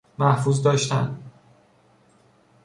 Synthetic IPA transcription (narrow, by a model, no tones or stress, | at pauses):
mæhfuːzd̪ɒːʃt̪æ̰nd̪